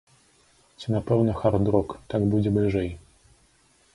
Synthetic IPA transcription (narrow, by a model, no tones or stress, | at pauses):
t͡sʲinapɛwnɐxard̪ɾɔkt̪aɡbud͡zʲɛblʲiʐɛj